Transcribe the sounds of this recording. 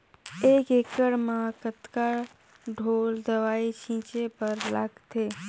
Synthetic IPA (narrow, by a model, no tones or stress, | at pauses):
eːkeːkəɽmãkət̪kaːɾ | ɖʱoːld̪əʋaːit͡ʃʰĩːt͡ʃepəɾla̰ɡt̪ʰeː